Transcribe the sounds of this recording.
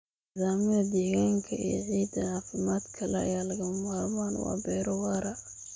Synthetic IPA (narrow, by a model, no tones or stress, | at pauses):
nɪzaːmɪðɐd̪ɛːɣaːŋkʰɐḭjɔ̰ʕiːd̪ɐnaːfɪmaːd̪kʰɐlɛɐ̰jaːlɐɣɐmmalmaːnwɑ̰ːbɛjɾɔwɑːɾɐ